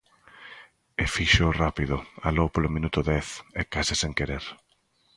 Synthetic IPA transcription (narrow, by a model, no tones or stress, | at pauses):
efiʃʊrapiðʊa̰lopolomĩnut̪ʊðɛθekaseseŋkeɾeɾ